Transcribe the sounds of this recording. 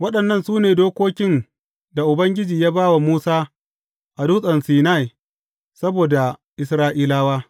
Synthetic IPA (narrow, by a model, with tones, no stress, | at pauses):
wɐ˦ɗɐ˨nːɐ˦˨nsuː˦neː˨doː˦kʷoː˦kʲɪ˦n | da˨ʔʊ˨bɐ˦ŋɡʲɪ˦d͡ʒiː˨jaː˦baː˦wa˨muː˦saː˦ | ʔa˨duː˦sʼɐ˨nsiː˨na˦˨j | sɐ˦boː˨da˨ʔɪ˨s̬ɾaː˦ʔiː˦laː˦waː˦